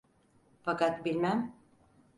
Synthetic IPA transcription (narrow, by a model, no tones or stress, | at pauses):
fakat̪bilʲmæm